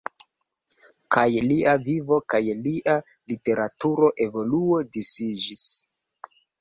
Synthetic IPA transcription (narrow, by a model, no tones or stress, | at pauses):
kajliavivo̞kajliʔa | lite̞ɾatuɾo̞ʔe̞vo̞luo̞disid͡ʒis